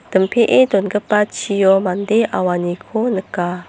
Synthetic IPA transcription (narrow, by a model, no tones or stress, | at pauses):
d̪̥əmpʰeʔedɔnɡəpːat͡ʃʰijɔmand̪eʔawanikʰonəka